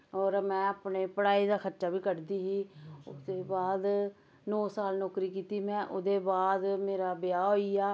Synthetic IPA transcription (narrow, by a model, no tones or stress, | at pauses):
ɔːɾmɛ̃ːəpneːpəɽaːiːd̪aːkʰətːʃaːbiːkəɖd̪iːɦiːʊ̰d̪eːbaːd̪ | nɔːsaːlnɔːkɾiːkiːt̪iːmɛ̃ːʔʊd̪eːbaːd̪meːɾaːbɪjaːɦoːiaː